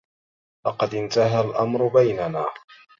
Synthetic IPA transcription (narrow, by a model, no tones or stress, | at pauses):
lɑqɑd̪ɪnt̪aɦalʔamɾʊbajnanaː